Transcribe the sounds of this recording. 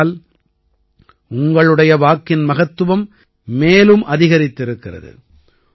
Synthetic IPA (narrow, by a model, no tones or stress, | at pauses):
l | ʊŋɡɐɭɯɽɐjɐʋaːkːɪnmɐɣɐt̪ːɯʋɐmː | eːlɯmʔɐðɪɣɐɾɪt̪ːɪɾɯkːɪrɐ̰ðɯ̰